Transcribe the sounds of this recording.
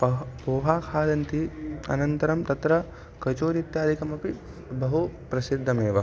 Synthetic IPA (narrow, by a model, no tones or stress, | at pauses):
poːɦaːkʰaːd̪ɐnt̪iɐ̰nɐnt̪ɐɾɐmt̪ɐt̪ɾɐ | kɐt͡ʃoːɾit̪jaːd̪ʱikɐmɐpi | bɐɦupɾɐsid̪ʱːɐmeːʋɐ